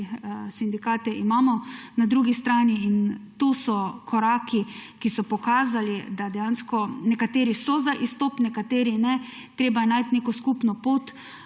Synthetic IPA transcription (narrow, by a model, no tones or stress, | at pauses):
sind̪ikaːt̪ɛʔimaːmɔnad̪ɾuɡist̪ɾaːniːnt̪osɔkʰɔɾaːkikisɔpɔkaːzalid̪ad̪ɛjaːnskɔnɛkat̪eːɾisɔzaʔist̪ɔpnɛkat̪eːɾinɛ | t̪ɾeːbajɛnajt̪neːkɔskuːpnɔpoːt̪